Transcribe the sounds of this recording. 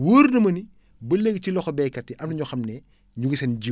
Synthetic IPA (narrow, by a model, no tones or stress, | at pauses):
wuːɾnɐmɐni | bɐleɡcilɔxɔbɛːkɐtːiʔɐmnɐɲɔxɐmnɛ | ɲuɡisɐnɟi